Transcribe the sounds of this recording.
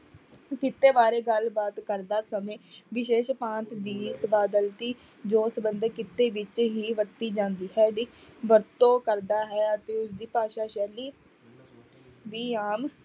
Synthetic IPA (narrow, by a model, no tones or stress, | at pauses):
kɪt̪ːeːʋaːɾeːɡəlbaːt̪kəɾd̪aːsəmẽːʋɪʃeːʃpãːnt̪d̪iːsəbaːd̪əlt̪iː | d͡ʒoːsəbənd̪əɾkɪt̪ːeːʋɪt͡ʃɦiːʋəɾt̪iːd͡ʒãːnd̪iːɦɛːd̪iːʋəɾt̪õːkəɾd̪aːɦɛːət̪eːʊsd̪iːpaːʃaːʃɛːliː | ʋiːaːm